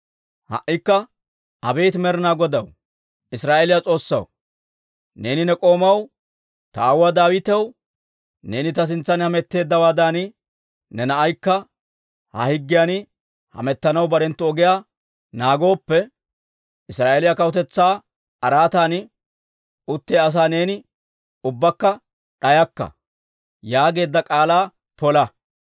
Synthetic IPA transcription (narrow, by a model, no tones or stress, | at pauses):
hɐ̰ʔɪkːɐ | ʔɐbe̞ːt̪mɛɾɪnaːɡɔd̪ɐw | ɪsɾaːʔelɪjat͡sʼo̞ːsːɐ̰w | ne̞ːnɪnɛkʼo̞ːmɐw | t̪ɐːwad̪aːwɪt̪ɛw | ne̞ːnɪt̪ɐs̬ɪnt͡sːɐnhɐmɛt̪ːe̞ːd̪ːɐwaːd̪aːn | nɛnɐʔɐjkːɐ | hɐ̰hɪɡːɪjan | hɐ̰mɛt̪ːɐnɐwbɐɾɛnt̪ːɔɔɡɪjaː | naːɡo̞ːpːɛ | ʔɪsɾaːʔeːlɪjɐkɐwʊt̪ɛt͡sːaː | ɐɾaːt̪an | ʔʊt̪ːeːɐs̬aːne̞ːnɪ | ʊbːɐkːɐ | ᶑɐjɐkːɐ̰ | jaːɡe̞ːd̪ːɐkʼaːlaː | pɔlɐ